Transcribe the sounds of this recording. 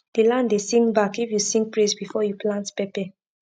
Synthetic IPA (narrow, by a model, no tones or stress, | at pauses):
d̥ilãndesĩŋbakifjusĩŋɡpɹesbifɔjuplãntpɛpɛ